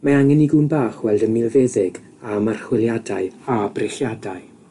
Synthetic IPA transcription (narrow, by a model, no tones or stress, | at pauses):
maaŋɛniɡunbaːχwɛlˠdəmɪlˠveːðɪɡ | amar̥χwɪlˠjadaɨabrɪχjadaɨ